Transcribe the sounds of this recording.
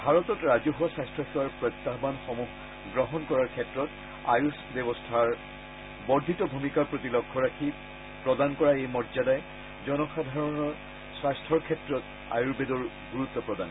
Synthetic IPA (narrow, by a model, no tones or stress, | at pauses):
bʱaɹɔt̪ɔtɹazɔɦuwasastʰɔxɛwaɹpɹɔjt̪ːaɦbanxɔmuɦ | ɡɹɔɦɔnkɔɹaɹkʰɛtɹɔt | ajusbɔbɔstʰaɹ | bɔɹd̪ʱitɔbʱumikaɹpɹot̪ilɔkʰːɔɹakʰi | pɹɔdankɔɹaejmɔdzadaj | zɔnɔxad̪ʱaɹɔnɔ | swastʰɔɹkʰɛtɹɔt | a̰juɹbedɔɹ | ɡuɹut̪ːɔpɹɔdan